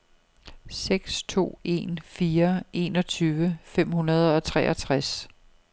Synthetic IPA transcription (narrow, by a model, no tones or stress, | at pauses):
seɡ̥st͡sʰo̝̰ːe̝̰ːnfiːɐʔe̝̰ːnɒ̽t͡sʰyːʋəfem̰hunɐð̞ˠɒ̽t͡sʰʁɛːʔɐt͡sʰʁas